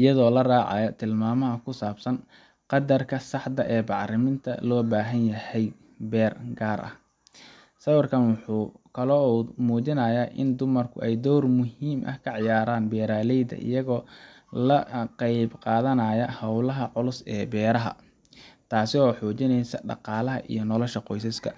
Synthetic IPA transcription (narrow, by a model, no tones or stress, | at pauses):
ʔɪjɐðɔːlɐraːʕɑ̰jɐt̪ʰɪlmaːmɐɦɐkʰʊsaːbsɐn | qɑd̪ɐrkʰɐsɑħd̪ɐʔɛːbɑʕrɪmɪnt̪ʰɐ̰lɔːbaːɦɐnjɐhɛj | bɛːrɡaːɾʔɐ̰h | sɐwɐrkʰɐnwʊħuːkʰɐlɔmuːt͡ʃɪnɐːjaːʔɪ̰nd̪ʊmɐrkʰʊ̰ɛjd̪ɔːrmʊhiːmʔɐ̰hkʰɐʕɑjaːɾaːnbɛːɾaːlɛjd̪ɐ̰ʔɪ̰jɐɣɔː | lɐqɑjbqɑːðɐnɐːjɐhɐwlɐɦɐʕʊlʊsɛːbɛːɾɐɦɐ̰ | t̪ʰaːsɪɔːħɔːt͡ʃɪnɛjsɐɖɑ̰qɑːlɐɦɐ̰ʔḭjɞnɔlɔʃɐqɔjsɐskʰɐ